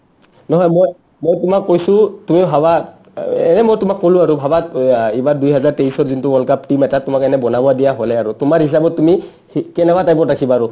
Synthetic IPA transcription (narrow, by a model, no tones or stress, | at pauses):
nɔɦɔjmoj | mojtʊmakːojsʊtumibʱawa | ɛ̰nɛmojtʊmakːɔlʊaɹubʱabaibadujɦazaɹteisɔɹzintuɔlkap̚timɛtatʊmakɛnɛbɔnabɔadijaɦɔlɛaɹutʊmaɹɦis̬abɔtːumi | kɛnɛkatajbɔtakʰibaːɹʊ